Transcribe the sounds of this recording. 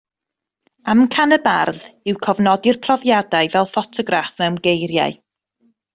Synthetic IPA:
amkʰanəbarðɪwkʰɔvnɔdɪrpʰrɔvjadaɨvɛlˠfɔtʰɔɡrafmɛwmɡejɾja̰ɨ

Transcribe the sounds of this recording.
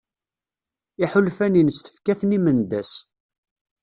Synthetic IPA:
iħʊlfæninəst̪ə̥fkæθnimənd̪æs

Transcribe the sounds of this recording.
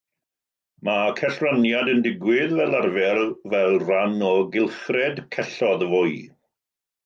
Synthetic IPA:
makʰɛɬranjadəndɪɡwɪðvɛlˠarvɛrvɛlˠranɔɡɪlˠχrɛdkʰɛɬɔðəvʊj

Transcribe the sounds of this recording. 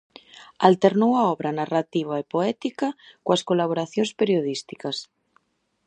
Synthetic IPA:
alt̪eɾnowaɔβɾanarat̪iβ̞aepoɛt̪ikakoaskolaβ̞oɾaθjonspeɾjoð̞ist̪i̥kas

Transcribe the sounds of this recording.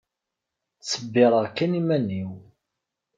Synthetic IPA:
t͡sːəbːɪɾˤəʁkːænimæniw

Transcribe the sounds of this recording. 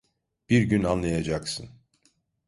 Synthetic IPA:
b̥iɾɟynanlˠajad͡ʒaksɯn

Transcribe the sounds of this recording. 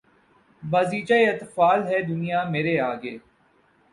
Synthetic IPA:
baːziːt͡ʃaeɐt̪faːlɦɛd̪ʊnijameːɾeaːɡeː

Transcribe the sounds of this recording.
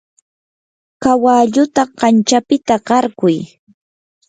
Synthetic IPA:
kawaʎʊt̪aɢɑnt͡ʃapɪt̪aɢɑɾkʊj

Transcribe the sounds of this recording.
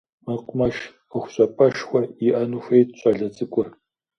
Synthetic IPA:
mɐqʷʼʊmɐʃ | əxʷʊɕʼɐpʼɐʃxʷɐiʔɐnuːxʷejtɕʼɐɮɐt͡sʼɨkʷʼɔ

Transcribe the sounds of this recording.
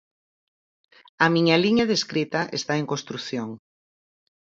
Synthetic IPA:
ɐmiɲaliɲaðeskɾit̪ɐʔḛst̪aeŋkõnst̪ɾuθjoŋ

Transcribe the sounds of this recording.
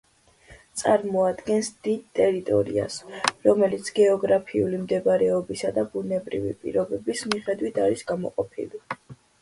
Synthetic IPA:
t̪sʼaɾmɔad̪ɡɛnsd̪id̪̚t̪ʼɛɾit̪ʼɔ̰ɾḭa̰sɾɔmɛlit̪sʰɡ̥ɛɔɡɾapʰiulimd̪ɛbaɾɛɔbisad̪abunɛbɾḭvḭpʼḭɾɔbɛbismiχɛd̪wit̪ʰaɾisɡamɔ̰qʼɔ̰pʰḭli

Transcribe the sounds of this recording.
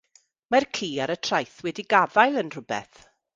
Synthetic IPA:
markʰiːaɾətʰrajθwɛdiɡavajlˠənr̥ʊbɛ̰θ

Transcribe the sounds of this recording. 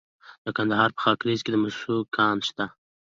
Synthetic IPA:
d̪̥əkand̪aɦɑɾpə̥xɑkɾizked̪əmaʃʃukʰɑnʃt̪a

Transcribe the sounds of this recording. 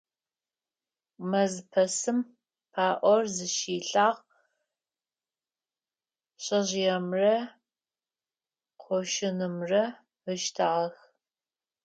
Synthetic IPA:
mɐzpʰɐsɨm | pʰaːʔʷɔrzɨʃiːɬʼaːʁ | ɕʼɐʑjɛmrɐ | qʷʰɔʃɪnɨmrɐ | əʃtʰaʁɐx

